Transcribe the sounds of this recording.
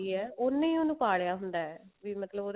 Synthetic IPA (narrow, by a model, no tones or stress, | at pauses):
iɛːonːẽĩonũːpaːɽejaːɦʊnd̪aːɛːʋimət̪ləboː